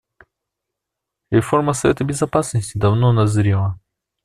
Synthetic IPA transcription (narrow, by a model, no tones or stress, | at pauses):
ɾʲɪfo̞rməsɐvʲet̪əbʲɪzɐpasnəsʲtʲɪd̪ɐvnonɐzɾʲilˠə